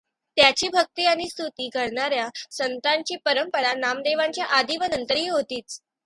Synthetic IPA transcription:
t̪jat͡ɕiːbʱək̚t̪iːaɽ̃ist̪ʰut̪iːɡʱəɽɳaɾjasənt̪aɲt͡ɕiːpəɾəmpəɽanamd̪eʋãɲt͡ɕjaʔad̪iːʋənənt̪əɾɦiːɦot̪iːt͡s

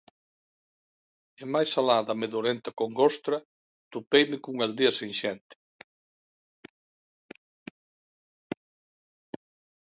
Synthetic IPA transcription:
ɪmajsalaðɐmeðoɾent̪ɐkoŋɡost̪ɾɐ | t̪upejmɪkuŋald̪iɐseŋʃɛnt̪ɪ̥

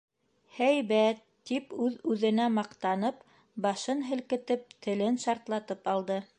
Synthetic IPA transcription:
hæjβæt̪ːipʉðʉðɘ̆næmɑqt̪ɑnɤp | bɑʃɤnɦɘ̆lkɘ̆t̪ɘp̚t̪ɘ̆lɘnʃɑɾt̪lˠɑt̪ɤpɑlˠd̪ɤ

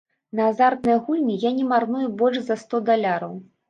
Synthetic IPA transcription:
nɐazard̪nɐjɐɣulʲnʲijanʲɛmarnujubɔlʲʂzɐst̪ɔd̪alʲaɾɐw

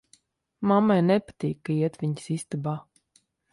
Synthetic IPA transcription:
mamːajnɛpḁt̪ʲiːkːaiɛt̪vʲiɲsist̪ɨba

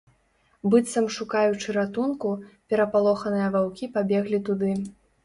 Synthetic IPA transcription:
bɨt̪sɐmʂukajut͡ʂɨɾat̪unkupʲɛɾɐpalˠɔxɐnɨjɐvawkʲipabʲɛɣlʲit̪ud̪ɨ

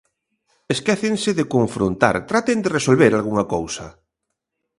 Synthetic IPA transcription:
eskɛθeŋsɪðekoɱfɾont̪a̰ɾt̪ɾat̪end̪eresolβeɾalɣ̞uŋakowsɐ̰

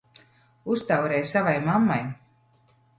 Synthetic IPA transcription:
ust̪awɾɛːjsavajmamːaj

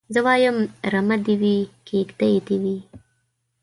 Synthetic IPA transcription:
zəwɑːjəmɾɐmɐd̪iwikeːkd̪ɐjet̪iwi

